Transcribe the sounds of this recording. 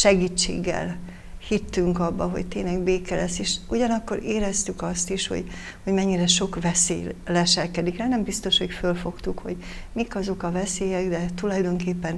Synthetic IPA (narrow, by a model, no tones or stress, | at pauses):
ʃɛɡiːt͡ʃːḛːɡːɛ̰l | hit̪ːyŋkɒbːɒɦo̞̰ɟt̪eːɲnlɛɡbeːkɛlɛseːʃuɟɒnɒkːo̞ɾeːɾɛst̪ykɒst̪iʃho̰ɟ | ho̞ɟmɛɲːiɾɛʃo̞kvɛseːjlɛʃɛlkɛd̪ikɛnɛmbist̪o̞ʃho̞cfølfo̞kt̪ukho̞ɟ | mikɒzo̞kɒvɛseːjɛɡd̪ɛt̪ulɒjd̪o̞ŋkeːpːɛn